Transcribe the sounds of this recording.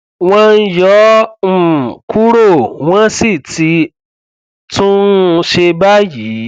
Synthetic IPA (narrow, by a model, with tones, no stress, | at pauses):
w̃ɔ̃˧n̩˦jɔ˨˦m̩˦˨ku˦ɾo˦˨w̃ɔ̃˦si˦˨tʰi˧˦ | tũ˦˧ʃe˧ba˦ji˨˦